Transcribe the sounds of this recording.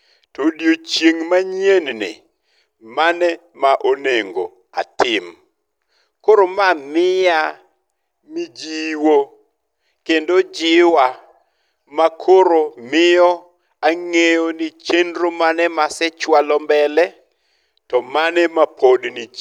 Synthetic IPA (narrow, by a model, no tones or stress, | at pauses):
todjot͡ʃjeŋmaɲennɪ̰ | manɛ | maʔoneŋɡo̰ | a̰tɪm | koɾomamɪja | mid͡ʒiwo | kendod͡ʒɪwa | makʰoɾomɪjɔ | aŋejonɪt͡ʃendɾomanɛmasɛt͡ʃwalɔmbɛlɛ | tɔmanɛmapʰodni